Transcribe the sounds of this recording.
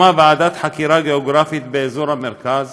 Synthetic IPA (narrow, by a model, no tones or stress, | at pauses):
abaʕad̪at̪ħakiɾaɡeoɡɾafit̪beezoɾhameɾkaz